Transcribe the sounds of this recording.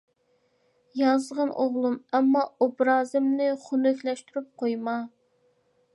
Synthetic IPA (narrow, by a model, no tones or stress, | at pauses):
jɑzʁɑnʔoʁlˠumɛmːɑobɾɑːzɨmnɪχunøkʲlɛʃt̪yɾyp̚qʰojmɑ